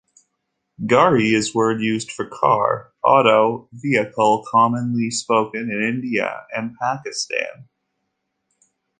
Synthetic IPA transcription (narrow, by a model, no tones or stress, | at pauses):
ɡɑɹiɪzwɜ˞djʉzd̥fə˞kʰɑ̰ɹ | ʔɑ̰ɾoʊviɨkʰl̩ˠkʰɑmɨ̃nlispoʊkɨ̃nɨ̃nɪ̃ndiɨ̰ɨ̃npʰækɨstæ̰̃n